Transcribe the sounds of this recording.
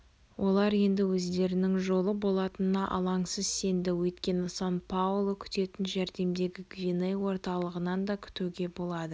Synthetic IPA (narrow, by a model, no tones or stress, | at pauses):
wʔo̞lˠɑɾje̞nd̪ɪwɵzd̪e̞ɾɪnɪŋʒo̞lˠəbo̞lˠɑt̪ənənɑʔɑ̰lˠɑŋsəzse̞nd̪ɪwɵjt̪kʲe̞nɪsɑnpʰaulˠokʲʰʏ̥t̪e̞t̪ɪnʒæɾd̪e̞md̪e̞ɡʲɪɡvʲinejwo̞ɾt̪ɑlˠəʁənɑnd̪ɑkʲʰʏ̥t̪uɡʲe̞bo̞lˠɑd̪ə